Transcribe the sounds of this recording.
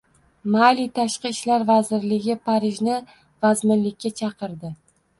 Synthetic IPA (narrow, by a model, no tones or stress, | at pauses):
malit̪ʰaʃqɨɪʃlaɾvazɪɾlɪɡʲɪpʰaɾɪʒnɪ | vazmɪnlɪkʲːat͡ʃʰɑqɨɾd̪ɪ